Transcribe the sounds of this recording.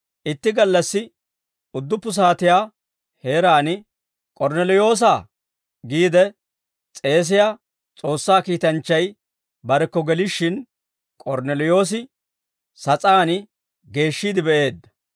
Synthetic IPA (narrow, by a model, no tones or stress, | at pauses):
ʔɪt̪ːɪɡɐlːɐsːɪ | ʊd̪ːʊpːʊs̬aːt̪ɪjaː | he̞ːɾaːnɪ | kʼɔɾnɛlɔjo̞ːs̬aː | ɡiːd̪ɛ | t͡sʼe̞ːs̬ɪjaː | t͡sʼo̞ːsːaːkiːt̪ɐnt͡ʃːɐj | bɐɾɛkːɔɡɛlɪʃːɪn | kʼɔɾnɛlɔjo̞ːs̬ɪ | sɐt͡sʼaːnɪ | ɡe̞ːʃːiːd̪ɪbɛʔe̞ːd̪ːɐ̥